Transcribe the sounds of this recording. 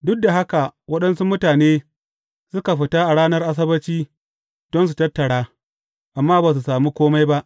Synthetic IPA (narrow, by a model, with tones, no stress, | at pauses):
dʊ˦k̚da˨ɦa˦ka˨wɐ˦ɗɐ˦nsu˦mʊ˦taː˨neː˦ | sʊ˦ka˨ɸɪ˨taː˦ʔa˨ɽaː˦nɐ˦rʔa˦s̬ɐ˦bɐ˦t͡ʃiː˦ | d̥ɔ˦ns̬u˨tɐ˦tːɐ˨ɽaː˦ | ʔa˨mːaː˦baː˨s̬u˨saː˨muː˦kʷoː˦ma˦jba˦ʔ